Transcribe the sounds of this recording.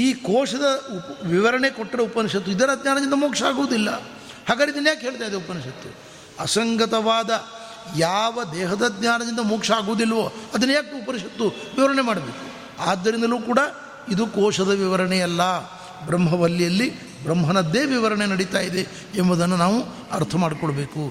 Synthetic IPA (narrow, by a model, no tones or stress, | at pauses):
iːkɔːʂɐd̪ɐupʋiʋɐɾɐɳe̞koʈːɾɐupɐniʂɐt̪ːuid̪ɐɾɐd̪ɲjaːnɐd̪ind̪ɐmoːkʂɐaːɡuʋɐd̪ilːɐ | haːɡaːd̪id̪ɐnːjaːkɦeːɭt̪aːjid̪eupɐniʂɐt̪ːu | ɐsɐŋɡɐt̪ɐʋaːd̪ɐ | jaːʋɐd̪ɛːɦɐd̪ɐd̪ɲaːnɐd̪ind̪ɐmoːkʂɐaːɡuʋɐd̪ilːɐʋoːɐd̪ɐnːujaːkːupɐniʂɐt̪ːuʋiʋɐɾɐɳemaːɽɐbeːku̥ | aːd̪ːɐɾind̪ɐluːkuːɽɐ | id̪ukɔːʂɐd̪ɐʋiʋɐɾɐɳɛjɐlːɐ | bɾɐmɦɐʋɐlːijɐlːi | bɾɐmɦɐnɐd̪ːeːʋiʋɐɾɐɳenɐɽit̪aːjid̪e̞ː | mbod̪ɐnːunaːʋu | ɐɾt̪ʰɐmaːɽkɔɭɐbe̞ːku